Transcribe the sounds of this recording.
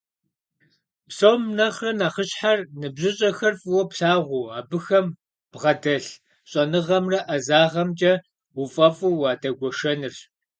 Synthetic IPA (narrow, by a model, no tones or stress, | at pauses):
psowmnɐχrɐnaːχəɕħarnɨbʑɨɕʼɐxɐrfʼɨwɐpɬaːʁʷuːaːbɨxɐm | b̥ʁɐdɐɬ | ɕʼɐnɨʁɐmrɐʔɐzaːʁɐmt͡ʃʼɐ | wʊfʼɐfʼuwɑːdɐɡʷɔʃɐnɨr